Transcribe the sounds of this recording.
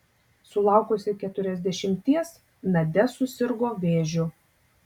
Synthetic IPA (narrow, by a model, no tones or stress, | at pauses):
sʊlˠɑˑʊkʊsʲɪkʲɛt̪ʊɾʲɛzʲd̪ʲɛʃʲɪmʲt̪ʲiɛs | nɐd̪ʲɛsʊsʲɪɾɡoːʋʲeːʒʲʊ